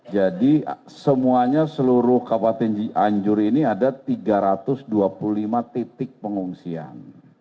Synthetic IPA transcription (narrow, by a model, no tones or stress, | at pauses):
d͡ʒadi | səmuaɲasəluɾʊhkapat̪ɛnd͡ʒiaɲd͡ʒʊɾiniadat̪iɡaɾat̪ʊsduapululimat̪it̪ɪk̚pəŋuŋsia̰n